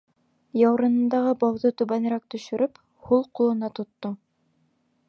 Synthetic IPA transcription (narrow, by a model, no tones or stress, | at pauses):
jɑwɾɤ̆nɤ̆nd̪ɑʁɤbɑwðɤt̪ʉβænɾæk̚t̪ɵ̆ʃɵ̆ɾɵp | hulˠqulˠɤ̆nɑt̪ŏt̪ːo